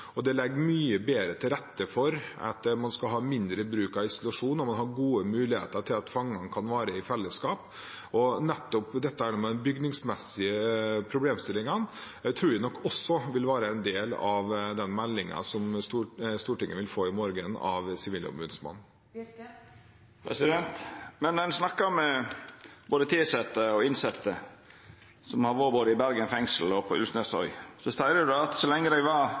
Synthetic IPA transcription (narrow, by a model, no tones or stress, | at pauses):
ɔd̪ɛlɛɡːmyːəbeːɾət̪ʰɪlɾɛt̪ːəfɔɾɑ̰t̪mɑnskɑɦɑːmɪnd̪ɾəbɾʉːkɑʋɪsʊlʉɑʂuːnːɔmɑnɦhɑɾɡuːəmʉːlɪhḛːt̪əʈʰɪlɑt̪fɑŋːɑŋkʰɑnʋɑːɾəɪfɛlːəskɑːp | ɔnɛt̪ːɔpd̪ɛt̪ːəæːɳumɛd̪ɛnbʏɡnɪŋsmɛsɪəpʰɾʊbleːmst̪ɪlɪŋɑn | t̪ʰɾuːɾʋænɔkːɔsɔʋɪlʋæːɾəɛnd̪eːlɑʋd̪ɛnmɛlːɪŋɑ̰sɔmst̪uːst̪uːʈɪŋːəʋɪlfoːɪmoːɾɡənɑ̰ʋsɪʋiːlʊ̰mʉːnsmɑ̰n | pʰɾɛsɪd̪ɛnt̪mɛnɛnsnɑkːɑmːɛ | b̥oːd̪ət̪ʰiːsɛt̪ːəɔɪnsɛt̪ːə | sɔmhɑʋoɾboːd̪əɪbæɾɡənfɛŋsl̩ɔpʰɔʉ̰lsnɛsɔ̰ʏsɔst̪æɪɾəd̪ɑɑt̪sɔlɛŋːəd̪æɪʋɑ